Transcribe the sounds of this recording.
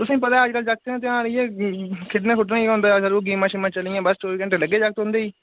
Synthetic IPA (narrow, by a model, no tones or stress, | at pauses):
t̪ʊsãĩːpət̪ãːəd͡ʒkəld͡ʒək̚t̪eːãːt̪eãːɾəijeːkʰɪʈnẽːkʰʊʈnãːiõːnd̪aːsəɾoːɡiːmãːʃɪmãːt͡ʃəlijãːbəst͡ʃoːɾikə̃ɳʈeləɡːeːd͡ʒak̚t̪ɦʊ̃nd̪eːiː